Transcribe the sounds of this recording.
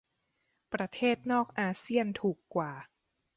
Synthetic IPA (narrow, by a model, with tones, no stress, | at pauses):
pɾa˧t̪ʰeː˥˩t̪̚nɔː˥˩k̚ʔaː˧si˥˩ənt̪ʰuː˨˩kːwaː˨˩